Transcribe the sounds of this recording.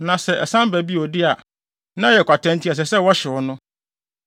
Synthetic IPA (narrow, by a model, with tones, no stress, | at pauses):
nã˨sɛ˨ʔɛ˨sã˦m˦bæ˨bi˦ɔ˨dɪ˦a˨ | nã˦jɛ˨kʷʰa˨tʰɛ̃˦ntʰi˦a˨s̬ɛ˨sɛ˦wɔ˦ɕɪ˨wɔ˦nʊ̃˦